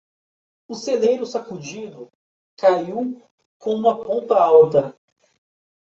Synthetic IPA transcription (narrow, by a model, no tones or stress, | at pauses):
ʊselejɾʊsakud͡ʒid̪ʊ | kaiw | kõũmɐpõnt̪ɐawt̪ɐ